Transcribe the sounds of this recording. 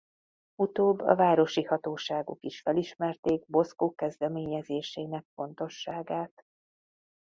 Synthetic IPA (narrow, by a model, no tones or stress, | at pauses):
ut̪oːbːɒ̰vaːɾo̞ʃihɒt̪oːʃaːɡṵkiʃfɛliʃmɛrt̪eːɡ̚bo̞skoːkɛzd̪ɛmeːɲɛzeːʃeːnɛk̚fo̞nt̪o̞ʃːaːɡaːt̪